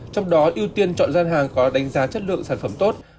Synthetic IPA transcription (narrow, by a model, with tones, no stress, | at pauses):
t͡ɕɔ˧wŋ͡mɗɔ˨˦ʔi˧əwt̪i˧ənt͡ɕɔ̰˧˨nzaː˧nɦaː˨˩ŋkɔ˨˦ɗa˨˦ŋ̟zaː˨˦t͡ɕə˦˥t̚lɨ̰˧˨əŋsaː˧˩nfə˧˩mt̪o˦˥t̚